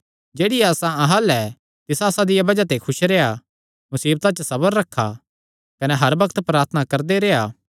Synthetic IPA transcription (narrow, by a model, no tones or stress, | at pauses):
d͡ʒeːɽɪjːsãɐɦəlɛ | t̪ɪsaːsãd̪ɪjabɐd͡ʒat̪ekʰʊʃɾeːa | mʊsiːb̚t̪ãt͡ʃəsɐbəɾːɐkʰːa̰ | kɐnɛɦɐɾbɐkət̪pɾaːɾt̪ʰnakɐɾd̪eɾeːaː